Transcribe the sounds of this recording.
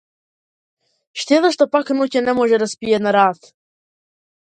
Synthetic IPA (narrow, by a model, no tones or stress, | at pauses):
ʃt̪ɛd̪əʃt̪ɔpaknucʲɛnɛmɔʒɛd̪aspiɛnaɾat̪